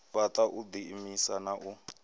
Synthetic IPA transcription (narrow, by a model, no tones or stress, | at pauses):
patʼaʔud̪imisanaʔu